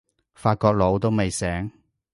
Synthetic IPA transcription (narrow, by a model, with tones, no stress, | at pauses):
faː˧t̚kɔː˧k̚lo˨˧wt̪o˥wme˨jsɛː˨˥ŋ